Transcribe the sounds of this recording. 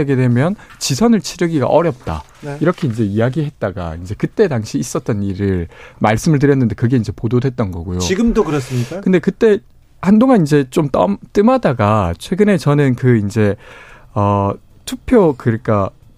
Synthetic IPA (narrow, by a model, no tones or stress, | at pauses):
eɡedwe̞mjʌnt͡ɕisʰʌnɯɭt͡ɕʰiɾɯɡiɡa̰ʔʌɾjʌp̚t͈a̰ | niɾʌkʰe̞ind͡ʑe̞ijaɡiɦe̞t̚t͈aɡa̰ind͡ʑe̞kɯt͈e̞taŋɕʰiːs͈ʌt̚t͈ʌniɾɯɭmaɭs͈ɯmɯɭt̬ɯɾjʌnːɯnde̞kɯɡe̞ind͡ʑe̞pododwe̞t̚t͈ʌnɡʌɡojoiɡɯmdokɯɾʌs͈ɯmɲik͈akɯnde̞kɯt͈e̞ | handoŋanind͡ʑe̞t͡ɕ͈omt͈ʌmt͈ɯmadaɡat͡ɕʰwe̞ɡɯne̞t͡ɕʌnɯnkɯind͡ʑe̞ | ʌ | tʰupʰjokɯɾik͈ʰa